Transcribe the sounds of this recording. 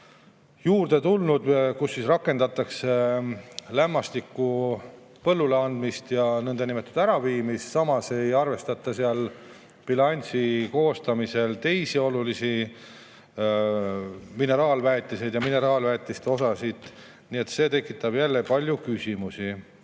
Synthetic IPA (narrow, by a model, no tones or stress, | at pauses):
juːrd̪̥e̞t̪ulnud̪̥kusːisrɑkːˑe̞nd̪ɑt̪ːˑɑkse | læmːɑst̪ikːu | pɤlːuleɑnd̪mist̪jɑnɤnd̪enimet̪ːˑud̪æɾɑviːmissɑmɑse̞jɑrve̞st̪ɑt̪ːˑɑseɑl | pilɑnʲt̪siko̞ːst̪ɑmise̞lt̪e̞jsio̞lulisi | mine̞ɾɑːlvæːt̪ˑːise̞jd̪jɑmine̞ɾɑːlvæːt̪ʲːˑist̪eo̞sɑsid̪̥ | nie̞t̪se̞ːt̪e̞kːˑit̪ːˑɑb̥jælːepɑlʲjukysʲimusi